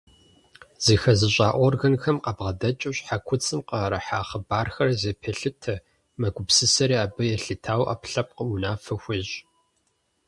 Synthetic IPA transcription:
z̥ixɐzɨɕʼaːʔʷɔrɣɐnxɐmqɐbʁɐdɐt͡ʃʼɪɕʼħakʷʰʊt͡sʼɨmqɐɾɐħaːχəbaːrxɐrzeːpʰɐɬɨtʰɐ | mɐɡʷʊpsɨsɐɾiːaːbɨjɛɬɨtʰaːwʔa̰pɬɐp̚qəunaːfɨxʷiɕʼ

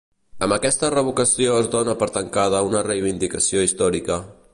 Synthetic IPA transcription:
əmbəkɛst̪ərəβukəsioəzd̪onəpəɾt̪əŋkað̞əunərəjβ̞ind̪ikəsioist̪ɔɾikə

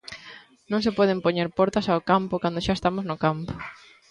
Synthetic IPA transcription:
nõŋsepɔð̞empoɲeɾpɔɾt̪ɐsaokampʊkand̪oʃaest̪amoznokampo̥

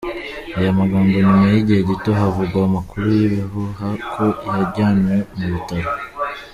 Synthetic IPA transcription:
ajamaɡaːŋɡoɲumajiɟiheɟito̞ɦavuɡwaːmakuɾujiβiɦuɦakʰo̞ijaɾɟaːnwemuβitaɾo

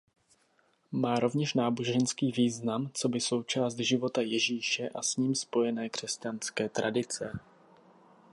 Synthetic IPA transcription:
maːɾo̞vɲɛʃnaːbo̞ʒɛnskiːviːznamt͡so̞bɪso̞wt͡ʃaːst̪ʒɪvo̞t̪ajɛʒiːʃɛʔasɲiːmspo̞jɛnɛːkr̥ɛscanskɛːt̪ɾʔadɪt͡sɛ

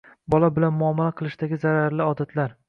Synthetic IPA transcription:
bɒlabɪlanmʊɒmːalaqʰɨlˠɪʃd̪aɡʲɪzaɾaɾlɪɒd̪at̪ʰlaɾ

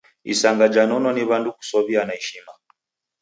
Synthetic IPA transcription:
ḭsaŋɡad͡ʒanɔnɔniβanduku̥sɔβianaɛʃima

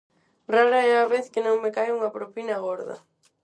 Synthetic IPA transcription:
raɾɐɛɐβeθkɪnõŋmɪkajuŋɐpɾopinɐɣoɾðɐ̰

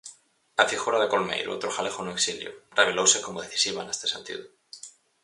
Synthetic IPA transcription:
afixuɾaðekolmḛjɾṵo̰t̪ɾoxalexonoeksiljo̰reβ̞elowsekomoðeθi̥siβanest̪esẽnt̪ḭðu

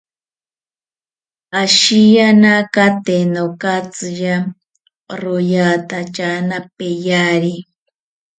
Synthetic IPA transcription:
aʃijanakat̪enokat͡sɨja | ɾojat̪at͡ʃanapejaɾi

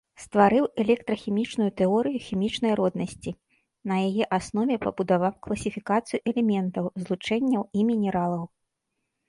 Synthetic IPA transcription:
st̪vaɾɨwɛlʲɛk̚t̪ɾɐxʲimʲit͡ʂnujut̪ɛɔɾɨjuxʲimʲit͡ʂnɐjɾɔd̪nɐsʲt͡sʲi | nɐjajɛʔasnɔvʲɛpɐbud̪avawklˠɐsʲifʲikat̪sɨjuʔɛlʲɛmʲɛnt̪ɐwzlˠut͡ʂɛnʲːɐwimʲinʲɛɾalˠɐw

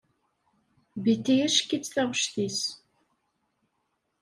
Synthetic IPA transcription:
bit̪ːijæʃkːit͡sːθæʁəʃθis

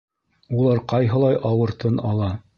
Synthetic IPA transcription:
ulˠɑɾqɑjɦɤ̆lˠɑjʔɑwɤ̆ɾt̪ɤnɑlˠɑ

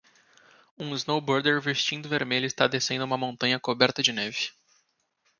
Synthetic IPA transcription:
ũiznowboɾd̪eɾvest͡ʃĩnd̪ʊveɾmeʎʊist̪ad̪esẽd̪ʊũmɐmõnt̪ɐ̃ɲɐkobɛɾt̪ɐd͡ʒɪnɛvɪ

